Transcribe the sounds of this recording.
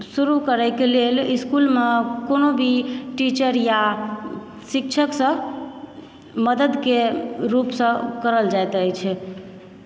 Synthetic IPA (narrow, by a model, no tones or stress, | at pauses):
suɾukəɾəɪkeleliskulmekonobʱiʈit͡ʃəɾja | sik̚t͡ʃʰəksə̃ | məd̪əd̪keɾupsə̃kəɾəld͡ʒajt̪əjt͡ʃʰɛ